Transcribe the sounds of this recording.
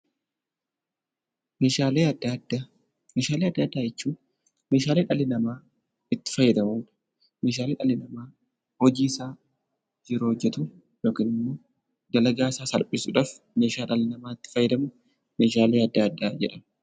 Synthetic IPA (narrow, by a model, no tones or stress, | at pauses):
meːʃaːleːɐd̪ad̪a | meːʃaːleɐd̪ːaːd̪ːaːd͡ʒɛt͡ʃːuː | me̞ːʃaːleːᶑɐlɪnɐmaː | ɪt̪ːɪ̥fɐjːɛd̪ɐmuːᶑɐ̥ | me̞ːʃ̬aːleːᶑɐlɪnɐmaː | hɔd͡ʒiːɪsaː | d͡ʒɪɾoːɔd͡ʒːɛt̪u | joːkɪnɪmːo̞ː | ɡɐlɐɡaːsaːsɐlpʼɪsʊᶑaːf | meːʃaːᶑɐlɪnɐmaːɪt̪ːɪ̥fɐjːɛd̪ɐmʊ | me̞ːʃaːleːɐd̪ːaɐd̪ːaːd͡ʒɛᶑɐm